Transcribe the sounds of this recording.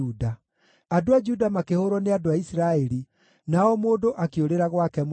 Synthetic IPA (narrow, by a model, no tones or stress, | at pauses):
uda | adoad͡ʒudamakehoɾɔneadoaisiɾaeɾi | naɔmoːdoʔakeoɾeɾaɣwakɛm